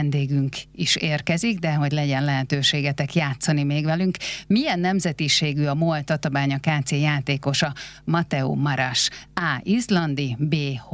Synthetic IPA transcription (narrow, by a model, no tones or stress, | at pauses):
nd̪eːɡyŋkiʃeːrkɛziɡd̪ɛɦo̞ɟlɛɟɛnlɛɦɛt̪øːʃeːɡɛt̪ɛkjaːt̪sɒnimeːɡʋɛlyŋkmijɛnːɛmzɛt̪iʃeːɡyɒmot̪ɒt̪omaːɲɒkaːt̪seːjaːt̪eːko̞ʃɒmɒt̪ɛṵːmɒɾaʃaːizlɒnd̪ibeːh